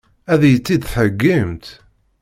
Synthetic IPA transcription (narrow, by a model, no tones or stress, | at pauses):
æðjət͡sːid̪θəɡːəmt̪